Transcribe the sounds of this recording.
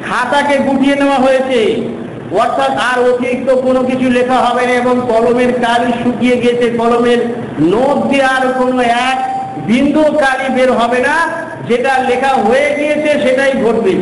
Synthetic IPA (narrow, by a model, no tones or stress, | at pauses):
kʰat̪akeɡuʈʰieneoaɦojet͡ɕʰej | ɔɾt̪ʰat̪aɾot̪ik̚t̪okonokit͡ɕʰulekʰaɦɔbenaeboŋkɔlomeɾkaɾiʃukijeɡijet͡ɕʰekɔlomeɾ | not̪d̪eaɾkonoɛk̚ | bʱind̪ukaɾibeɾɦɔbena | d͡ʑeʈalekʰaɦojeɡijet͡ɕʰeʃeʈajɡʱoʈ̚be